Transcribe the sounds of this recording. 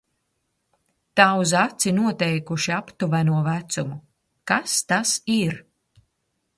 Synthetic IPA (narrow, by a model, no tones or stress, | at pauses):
t̪awzat̪sinuɔt̪ɛjkuʃiapt̪uvænuɔvæt̪sumu | kast̪asiɾ